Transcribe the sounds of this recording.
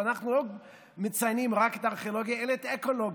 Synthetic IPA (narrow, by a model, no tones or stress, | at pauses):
anaχnulo | met͡sajnimʁaket̪aʁχiolo̞ɡjaelaet̪eko̞loɡ